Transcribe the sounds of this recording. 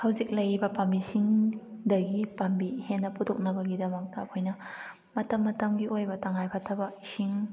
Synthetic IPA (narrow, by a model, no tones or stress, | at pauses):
hɐwzik̚lɐjbɐpɐmbisiŋdɐɡipɐmbihenːɐputʰok̚nɐbɐɡidɐmɐk̚tɐːkʰojnɐ | mɐtɐmːɐtɐmɡiʔojbɐtɐŋajpʰatʰɐbɐsiŋ